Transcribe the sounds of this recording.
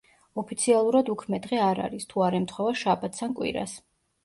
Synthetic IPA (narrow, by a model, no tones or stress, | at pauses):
ɔpʰit̪sʰialˠuɾad̪ukʰmɛd̪ʁɛaɾa̰ɾist̪ʰuaɾɛmt̪ʰχwɛvaʃabat̪̚ʰt̪ʰankʼwḭɾa̰s